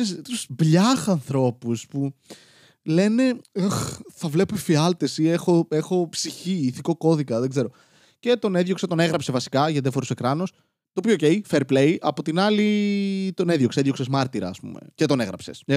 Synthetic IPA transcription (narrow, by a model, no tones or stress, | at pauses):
est̪usbʎɐxɐnθɾo̞puspu | le̞ne̞oxθɐvle̞pefiɐlt̪e̞siexo̞e̞xo̞psiçiːθiko̞ko̞ðikɐðe̞ɡze̞ɾo | ce̞t̪o̞neðjo̞kset̪o̞ne̞ɣɾɐpse̞vɐsi̥kɐʝɐt̪ðiɐfoɾuse̞kɾɐnus | t̪opioocejfeɾplejɐpot̪inɐlit̪o̞neðʝo̞kseeðjo̞ksezmɐɾt̪iɾɐ̰ːspṵme̞̰cet̪o̞ne̞ɣɾɐpse̞s